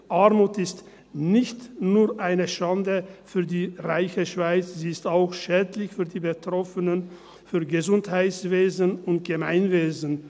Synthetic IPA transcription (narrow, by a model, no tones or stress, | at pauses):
ʔaɐmuːtɪst | nɪçtnuːɐʔaɪnəʃandəfyːɐdiːʁaɪçəʃv̥aɪt͡sz̥iːɪstaʊxʃɛːdlɪçfyːɐdiːbətʁ̥ɔfənən | fyːɐɡəzʊnthaɪtsveːzənʊnt̚ɡ̥əmaɪnveːzən̩